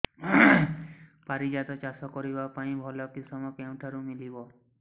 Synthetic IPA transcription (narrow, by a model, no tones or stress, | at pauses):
paɾid͡ʒat̪ɔt͡ʃasɔkɔɾibapaĩbʱɔlɔkisɔmɔkew̃ʈʰaɾumilibɔ